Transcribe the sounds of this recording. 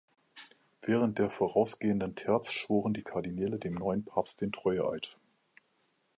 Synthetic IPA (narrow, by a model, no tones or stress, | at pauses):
v̥ɛːʁ̞ənt̚d̥eːɐfoːʁaʊsɡ̥eːəndəntʰɛɐt͡sʃv̥oːʁəndiːkʰaɐdinɛːlədeːmnɔʏənpʰaːpst̚d̥eːntʁ̥ɔʏəʔa̰ɪt